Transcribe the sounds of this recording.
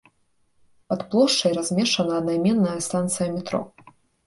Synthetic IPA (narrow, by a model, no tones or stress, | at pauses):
pɐt̪plˠɔʂt͡ʂɐjɾazʲmʲɛʂɐnɐːd̪najmʲɛnːɐjɐst̪ant̪sɨjɐmʲɛt̪ɾɔ̰